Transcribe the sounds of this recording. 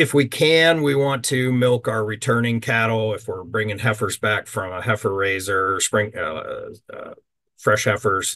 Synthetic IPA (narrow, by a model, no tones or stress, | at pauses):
ɨfwikʰɨ̃nwiwɑ̃ntʰɨmɪlˠkaə˞ɹitʰɜ̃˞nɪ̃ŋkʰæɾl̩ˠɪfwɪɹbɹɪ̃ŋɪ̃ŋɦɛfə˞zbækfɹʌ̃mhɛfə˞ɹeɪzə˞spɹɪ̃ŋ̰ | fɹɛʃhɛfə˞z̥